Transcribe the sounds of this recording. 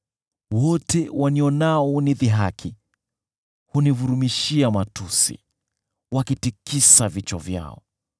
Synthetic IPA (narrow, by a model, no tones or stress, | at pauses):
wɔtɛwʔaniɔnaɔuniðiɦakʰi | hunivuɾumiʃiamatusḭ | wakitikisavit͡ʃɔ̰vja̰ɔ̰